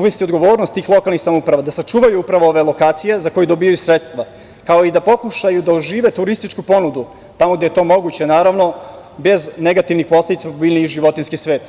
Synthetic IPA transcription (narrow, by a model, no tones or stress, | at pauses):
uʋest̪io̞d̪ɡo̞ʋo̞ːɾnost̪iːxlˠo̞kalnixsamoupɾaʋad̪asat͡ʃuːʋajuupɾaʋooʋe̞lˠo̞kaːt̪sije̞zako̞jud̪obijajusɾet̪st̪ʋa | kao̞id̪apo̞kuʃajud̪aoʒiːʋe̞t̪uɾist̪it͡ʃkupo̞nud̪u | t̪amoɡd̪eet̪o̞ːmo̞ɡut͡ɕe̞naːɾaʋno̞be̞zneɡat̪iʋnixpo̞sle̞d̪it̪samobiːlʲniiʒiʋo̞t̪inskisʋe̞ːt̪